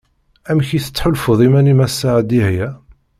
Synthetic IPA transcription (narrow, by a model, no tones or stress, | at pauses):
æmçiθə̥t͡sːħʊlfəðˤimænimæsːaʕd̪ihjæ